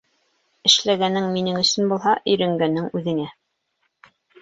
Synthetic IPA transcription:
ɘ̆ʃlæɡænɘŋminɘŋɵ̆sɵ̆nbulˠɦɑʔɵ̆jɾæŋɡænːɘŋʉðɘ̆ŋæ

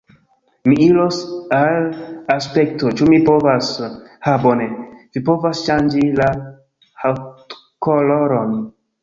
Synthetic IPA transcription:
miilosalaspe̞ktot͡ʃumipo̞vashabonevipo̞vasʃand͡ʒila | haw | koloɾon

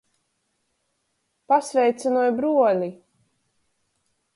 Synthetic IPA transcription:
pasvʲɛjt̪sɛnuɔjbɾuɔlʲi

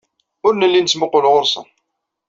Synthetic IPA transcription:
ʊɾnəlːint͡sːməqːolʁʊɾsə̰n

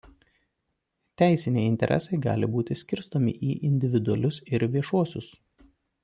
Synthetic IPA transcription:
t̪ʲæˑɪsʲɪnʲɛɪɪnʲt̪ʲɛ̰ɾʲʔɛ̰sɐɪɡɑ̰ːlʲɪbuːt̪ʲɪsʲkʲɪɾst̪oːmʲɪ̰ʔiːʔɪnʲd̪ʲɪʋʲɪd̪ʊɐlʲʊsɪɾʋʲiɛʃuɔsʲʊs

